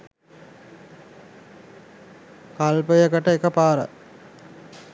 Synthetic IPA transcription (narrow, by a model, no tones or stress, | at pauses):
kalpəjəkəʈəekəpaːɾə̰